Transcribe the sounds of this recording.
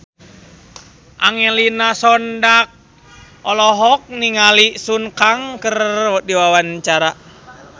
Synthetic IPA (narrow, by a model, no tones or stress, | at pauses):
ʔaŋɛlinasɔndak̚ | ɔlɔɦɔk̚niŋalisunkaŋkərdiwawant͡ʃaɾa